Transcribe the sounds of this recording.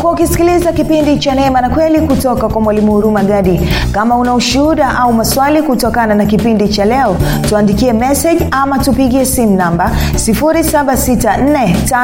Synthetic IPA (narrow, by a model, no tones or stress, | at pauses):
kuaukisi̥kilizakipindit͡ʃanɛmanakwɛlikutɔkakwamwalimuhuɾumaɠaɗikamaunauʃuhuɗaʔaumaswalikutɔkananakipindit͡ʃalɛɔ | tuandikiɛmɛsɛʄamatupiɠiɛsim̩unamba | sifuɾisaɓasitan̩nɛta